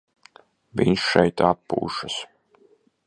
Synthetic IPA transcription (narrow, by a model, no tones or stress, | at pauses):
viɲʃʃɛjt̪apːṵːʃas